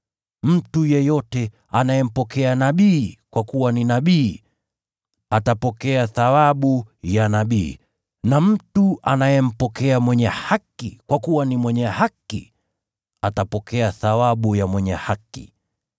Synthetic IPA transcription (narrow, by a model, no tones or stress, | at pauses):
m̩tujɛjɔtɛ | anajɛm̩pɔkɛanaɓiːkwakuwaninaɓiː | atapɔkɛaθawaɓujanaɓiː | nam̩tua̰najɛm̩pɔkɛamwɛɲɛhakːikwakuwanimwɛɲɛhakḭ | atapɔkɛaθawaɓujamwɛɲɛhakḭ